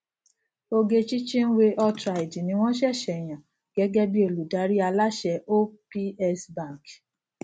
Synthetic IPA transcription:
o˧ɡe˧t͡ʃi˦t͡ʃĩ˦n̩˦we˧ʔɔ˧tɾa˨i˨d͡ʒi˨nĩ˧˦w̃ɔ̃˦ʃ̬ɛ˦˨ʃɛ˨j̃ã˨ | ɡ̥ɛ˨˦ɡɛ˦bi˦o˨lu˨da˨˦ɾi˦a˧la˦ʃɛ˧˦ʔo˦pi˦ɛ˦sbã˦˨k

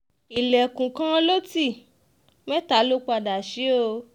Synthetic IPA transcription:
i˨lɛ˨kũ˨kã˦˧lo˦ti˦˨ | mɛ̃˦ta˨˦lo˦k͡pa˧da˨ʃi˨˦o˧

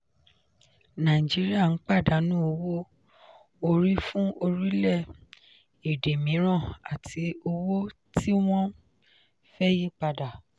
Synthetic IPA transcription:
nã˨d͡ʒi˨˦ɾi˦a˦˨n̩˨˦k͡pa˦˨da˨˦nũ˦o˧wo˦ | o˧ɾi˦fũ˦o˧ɾi˦lɛ˦˨ | e˨de˨mĩ˨˦ɾ̃ã˦˨a̰˨tʰi˨˧o˧wo˦ | tʰi˦w̃ɔ̃˦ | fɛ˦ji˦k͡pa˧da˨

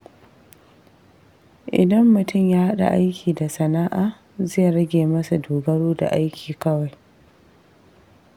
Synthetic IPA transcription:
ʔɪ̰˨dɐ˦mːʊ˨tʊ˦˨mjaː˦ha˦ɗa̰˨ʔa˦jkʲʰiː˨da˨sɐ˨naː˦ʔaː˨ | za˦jɾɐ˦ɡʲeː˨mɐ˦sa˨doː˨ɡɐ˦ɽoː˦da̰˨ʔa˦jkʲʰiː˨kɐ˦wa˨j

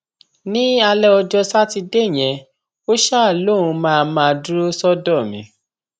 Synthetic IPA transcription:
nĩ˦a˧lɛ˦ɔ˧d͡ʒɔ˧sa˦ti˧de˦˨j̃ɛ̃˧ | o˦ʃa˦˨lo˦˨ũ˧mãː˦˧mãː˦˧du˦ɾo˦sɔ˦dɔ˦˨mḭ̃˨˦

